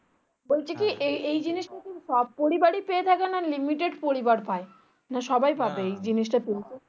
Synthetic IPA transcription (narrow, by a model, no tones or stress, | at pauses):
bolt͡ɕʰekiʔeejd͡ʑiniʃʈakiʃɔb̚poɾibaɽipeet̪ʰakenalimiʈeɖpoɾibaɾpae | naʃɔbajbʱabeejd͡ʑiniʃ̬ʈapelt͡ɕʰe